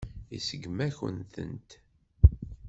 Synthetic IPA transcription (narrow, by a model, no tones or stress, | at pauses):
isəɡmæçə̰nθə̰nt̪